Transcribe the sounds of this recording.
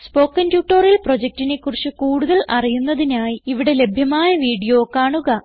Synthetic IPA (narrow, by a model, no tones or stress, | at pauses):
spo̞ːkːɐntjuːʈːorilpro̞d͡ʑek̚tine̞kːurit͡ɕːukuːɽuðɐlɐrijunːɐðinaːjiiʋiɽe̞le̞bʱjɐmaːjɐʋiːɽijo̞ːkaːɳuɣɐ